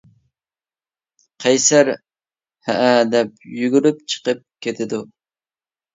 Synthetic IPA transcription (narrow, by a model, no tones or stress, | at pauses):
qʰɑjsæɾ | hæʔæd̪ɛp̚jyɡʲyɾyp̚t͡ʃʰə̥qəp̚kʲʰet̪ʰɪd̪u